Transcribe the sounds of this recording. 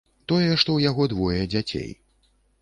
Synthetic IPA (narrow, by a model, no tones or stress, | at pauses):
t̪ɔjɛʂt̪ɔwjaɣɔd̪vɔjɛd͡zʲat͡sʲḛj